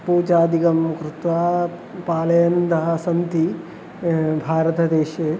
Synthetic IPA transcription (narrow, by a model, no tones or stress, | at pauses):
puːd͡ʒaːd̪ikɐmkɾut̪ʋaː | paːlɐjɐnd̪ɐɦɐ̆sɐnt̪i | bʱaːɾɐt̪ɐd̪eːʃe